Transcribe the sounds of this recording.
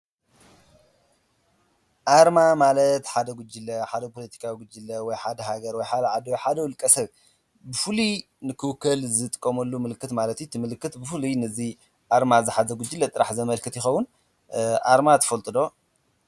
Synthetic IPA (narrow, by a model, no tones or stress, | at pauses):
ʔaɾmamalɐt̪ħad̪ɐɡud͡ʒːilɐħad̪ɐpʰolɐt̪ʰi̥kʰawiɡʊd͡ʒilɐwɔjħad̪ɐɦaɡɐɾwɔjħad̪ɐʕad̪wjħad̪ɐwʊlkʼɐsɐβ | bɨfɨlu | nɨkʰɨwkːɐlzɨt̪ʼɨkʼːɐmɐlːumɨlɨkːɨt̪malɐt̪jit̪ʰimɨlɨkːɨt̪bɨfɨlunɨzi | ʔaɾmazɨħazɐɡud͡ʒːilːɐt̪ʼɨɾaħzɐmɐlkʰɨt̪jɪxɐwun | ʔaɾmat̪ʰɐ̥fɐlt̪ʼɨd̪o̞